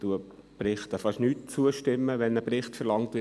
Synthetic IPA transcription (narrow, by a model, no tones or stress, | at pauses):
tuəprɪχt̪əfɑʃnyːtt͡suəʃtɪmːəʋɛnəprɪχtfɛɾlɑŋtvɪ